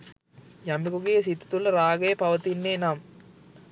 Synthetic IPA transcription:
jɐmikuɡejɐsit̪ːɐ̥t̪ulːɐɾaːɡɐjɐpɐʋɐt̪inːeːnaːm

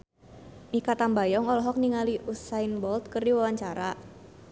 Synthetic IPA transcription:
mikat̪ambajɔŋɔlɔɦɔk̚niŋaliʔusainbɔlt̪̚kərdiwawaɲt͡ʃaɾa

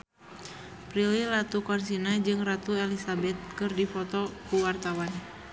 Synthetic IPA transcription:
pɾililat̪ukɔnsinad͡ʒɨŋrat̪uɛlisabɛt̪̚kɨrdifɔt̪ɔkuwart̪awan

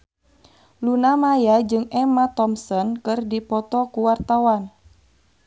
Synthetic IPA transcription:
lunamajad͡ʒɨŋɛmat̪ɔmsɔnkɨrdipɔt̪ɔkuwart̪awan

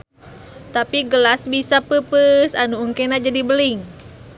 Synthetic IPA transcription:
t̪apiɡəlasbisapəpəsanuːŋkɛnad͡ʒadibəliŋ

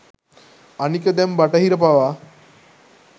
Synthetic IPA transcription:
aniked̪ɛmbaʈaɦiɾəpaʋa

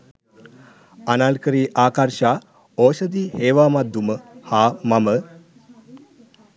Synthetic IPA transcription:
analkəɾiːʔaːkaɾʃaː | oːʃəd̪iːheːʋaːmad̪uməhaːmamə

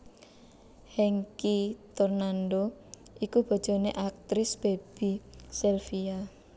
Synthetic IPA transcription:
hɛŋkit̪ornanɖo | ʔikub̥a̤̥ʒ̥o̤neʔak̚t̪ɾɪsb̥e̤b̥i̤sɛlfia

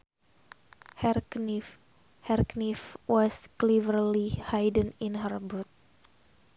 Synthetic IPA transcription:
hɛrknif | hɛrknifwɔsklivəɾlihajdə̃ninɦərbut̪̚

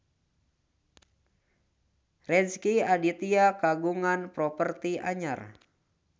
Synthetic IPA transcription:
rɛnskiadit̪iakaɡuŋanpɾɔpərt̪ia̰ɲar

